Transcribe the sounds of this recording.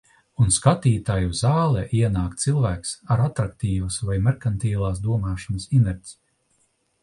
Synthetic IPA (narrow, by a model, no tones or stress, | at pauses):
unskat̪iːt̪ajuzaːlˠɛʔiɛnaːkt̪silˠvæːksaɾat̪ɾak̚t̪iːvɐsvajmɛɾkant̪iːlˠaːsd̪uɔmaːʃɔnəsinɛɾʲt̪ʲs